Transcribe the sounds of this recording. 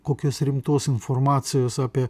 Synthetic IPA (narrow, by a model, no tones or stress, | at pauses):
kokʲosʲɾʲimt̪osinformat̪siosapʲe